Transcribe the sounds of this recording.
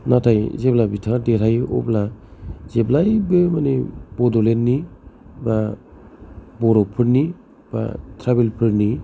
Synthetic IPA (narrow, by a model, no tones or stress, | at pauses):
natʰajzeblabitʰadeɾajɔ̰plazeblajbɯmanebɔdɔlenːiba | bɔɾɔpʰɯɾni | b̥a̰tʰɾabelpʰɯɾni